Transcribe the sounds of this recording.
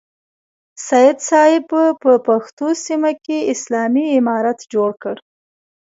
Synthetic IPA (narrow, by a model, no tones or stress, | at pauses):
sɑjɪd̪sɑɪbəpəpaxt̪osimakeɪslɑmiɪmɑɾat̪d͡ʒoɽkəɽ